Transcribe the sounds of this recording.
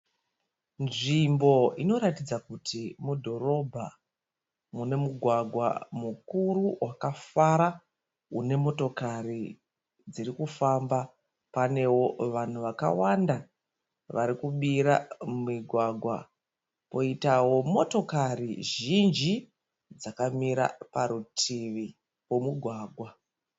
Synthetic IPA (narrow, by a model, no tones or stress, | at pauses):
nʐimbo̞ino̞ɾatid͡zakutʰimudʱo̞ɾo̞bʱa | mune̞muɡʱwaɡʱwa̰mukuruwakafaɾa | une̞mo̞to̞kari | d͡ziɾikufamba | pane̞wo̞ʋan̤uʋaka̰wanda | ʋaɾikuɓiɾamumiɡʱwaɡʱwa̰ | po̞itawo̞mo̞to̞kariʒind͡ʒi | d͡zakamiɾa̰paɾutʰiʋi | wo̞muɡʱwaːɡʱwa